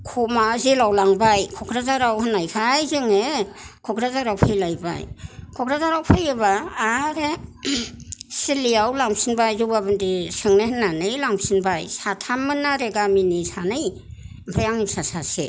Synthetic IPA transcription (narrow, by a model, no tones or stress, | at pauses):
kʰumazilawlaŋbajkʰɔkʰɾazaɾawhɯnajkʰajzɯŋekʰɔkʰɾazaɾawpʰɯjlajba̰jkʰɔkʰɾazaɾawpʰɯjɯβaːɾe | silijawlaŋmsinbajzubabɯndisɯŋnahɯnːanɯjlaŋsinbajsatʰamɯnaɾeɡaminisanɯj | bʰɯjaŋsasase